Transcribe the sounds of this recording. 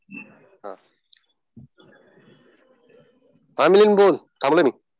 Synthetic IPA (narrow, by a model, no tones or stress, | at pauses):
ɦã̰ | familinbolt̪ʰamolojmi